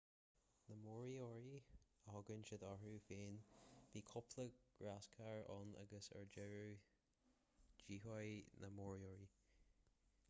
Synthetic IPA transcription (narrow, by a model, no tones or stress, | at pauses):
nəmɔɹiɔɹiəhɔɡənʃəd̪ɔɹufeːnb̥ikʰɔpʰlˠəɡ̥ɹaskʰaɹɔna̰ɡəsə̰ɹd͡ʒɛɹu | d͡ʒiɦɔjnʔəmɔɹiɔɹi